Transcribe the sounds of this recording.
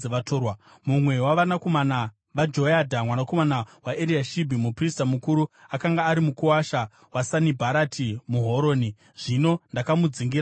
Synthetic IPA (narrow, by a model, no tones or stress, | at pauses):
eʋatʰorwa | mumwe̞waʋanako̞mana | ʋad͡ʒo̞adʱamwanako̞manawaʔeɾiaʃibʱimupristamukuɾuakaŋɡaːɾimukuwaʃa | wasanibʱaɾatʰimuɦo̞ɾo̞ːni | ʐ̥ino̞ndakamud͡ziŋɡia